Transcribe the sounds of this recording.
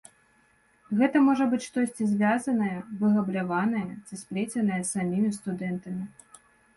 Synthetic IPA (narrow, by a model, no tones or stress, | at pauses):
ɣɛt̪ɐmɔʐɐbɨt͡sʲʂt̪ɔsʲt͡sʲizʲvʲazɐnɐjɐvɨɣɐblʲavanɐjɐsʲɨspɾʲet͡sʲɐnɐjɐsamʲimʲist̪ud̪ɛnt̪ɐmʲi